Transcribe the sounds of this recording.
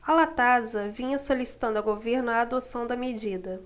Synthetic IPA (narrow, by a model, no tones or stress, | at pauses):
alat̪azɐvĩɲɐsolisi̥t̪ɐ̃nd̪ʊɐɡoveɾnʊaːd̪osɐ̃w̃d̪ɐmed͡ʒid̪ɐ